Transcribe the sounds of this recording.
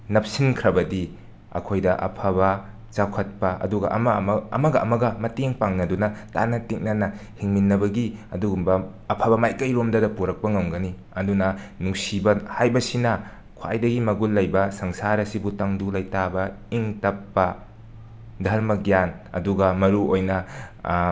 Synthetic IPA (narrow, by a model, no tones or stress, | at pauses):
nɐp̚sinkʰɾɐbɐdi | ɐ̰kʰojdɐʔɐ̰pʰabɐ | t͡ʃakʰɐt̚pɐʔɐ̰duɡɐ̰ʔɐmɐmɐ̰mɐɡɐɐmɐɡɐmɐteŋpaŋnɐdunɐta̰nɐtik̚nɐnɐhiŋminːɐbɐɡiɐduɡumbɐː | pʰɐbɐmajkɐjɾomdɐdɐpuɾɐk̚pɐŋɐmɡɐni | ɐdunɐnuŋsibɐhajbɐsinɐ | kʰwa̰jdɐɡimɐɡulːɐjbɐsɐŋsaɾɐsibutɐŋdulɐjtabɐ | iŋtɐpːɐ | dʱɐɾmɐɡjan | ɐ̰duɡɐmɐɾuojnɐ